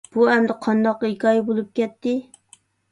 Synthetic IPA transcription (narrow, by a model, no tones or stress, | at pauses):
b̥uɛmd̪ɪqʰɑnd̪ɑqːikʲɑjibolˠup̚kʲɛt̪ːɪ